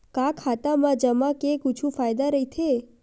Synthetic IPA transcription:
kakʰat̪amãd͡ʒəmãkekut͡ʃʰũfajd̪aɾəit̪ʰe

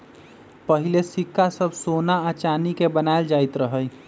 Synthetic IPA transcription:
pəɦilesɪkːasəbʱsonaət͡ʃaːnikebənaeld͡ʒaːit̪ɾəɦəj

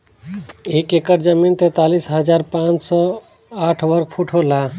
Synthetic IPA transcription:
ekekəɾd͡ʒəmint̪et̪alisɦəd͡ʒaɾpãt͡ʃsɔ | aʈʰbəɾɡ̚pʰuʈʰola

